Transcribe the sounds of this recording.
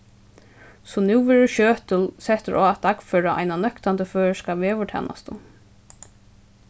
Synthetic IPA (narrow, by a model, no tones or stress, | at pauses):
sɔnɪwʋɛːɾʊɕøːt̪əlsɛht̪əɾʔɔːat̪̚d̪akfœːɾaʔa̰jnanœkt̪ant̪əføːɹskaʋɛːʋʏʈʰɛ̰ːnʔa̰st̪ə̰